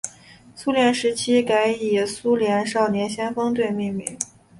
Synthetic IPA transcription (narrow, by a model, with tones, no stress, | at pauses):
su˥ljɛ˧˥nʂɻ̩˧˥t͡ɕʰi˥ka˧˥ɪi˨˩su˥ljɛ˧˥nʂɑ˥˩ʊnjɛ˧˥nɕjɛ˥nfɤ˥ŋt̪̬we˥˧ɪmi˥˧ŋmḭ˧˥˩